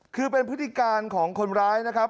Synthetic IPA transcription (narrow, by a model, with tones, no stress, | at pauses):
kʰɯː˧p̬e˧npʰɯ˦˥t̪ʰi˧˩kaː˧nkʰɔː˩˦ŋkʰo˧nɾaː˦˥jna˦˥kʰa˦˥p̚